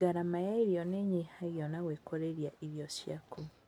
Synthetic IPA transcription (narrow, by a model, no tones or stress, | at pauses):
aɾamajaiɾjɔneɲihajɔnaweːkoɾeɾjaʔiβjɔsja̰ku